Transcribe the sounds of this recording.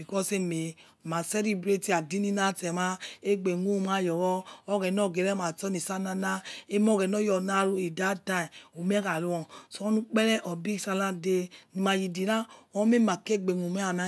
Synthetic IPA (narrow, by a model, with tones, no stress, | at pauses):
i˨kɔ˦se˦me˨ | ma˨sɛ˦li˦bɾe˦ti˦a˨di˦ni˦na˦tɛ˨ma˦e˦ɡ͡be˨ŋ˦u˦˨ma˦˨jɔ˨wɔː˦ɡɛ˨nɔ˦˨ɡe˨ɾɛ˦ma˨tɔ˦ni˨sa˦na˧na˦e˦m˦ɔ˦˨ɡɛ˨nɔ˦jɔ˨na˦˨ɾu˦i˨da˦ta˦˨o˨m˦ɛ˦ka˨lu˦ɔ˨so˨˦ɔ˦nu˦k͡pɛ˦lɛ˦ʔɔ˨bi˦˨sa˧la˦de˦ni˨ma˨ji˨di˨na˦˨ɔ˦me˦ma˨ke˦˨ɡ͡be˨ŋu˨me˦a˨na˦